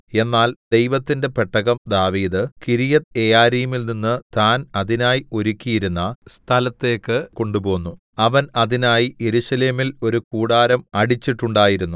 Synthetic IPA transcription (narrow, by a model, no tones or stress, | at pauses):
e̞nːaːld̪e̞jʋɐt̪ːinde̞peʈʰːɐɣɐmd̪aːʋiːd̪ɨkiɾijɐt̪ejaːɾiːumilninːɨt̪aːnɐðinaːjio̞ɾukʲːijiɾunːɐst̪ʰɐlɐt̪ːe̞ːkːɨko̞ɳɖubo̞ːnːu | ɐʋɐnɐðinaːjije̞ɾuɕɐle̞ːmilo̞ɾukuːɽaːɾɐmɐɽit͡ɕːiʈːuɳɖaːjiɾunːu